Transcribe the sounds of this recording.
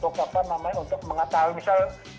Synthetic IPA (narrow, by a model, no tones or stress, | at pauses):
pokapanamaɲaunt̪ʊk̚məŋat̪aɦumisal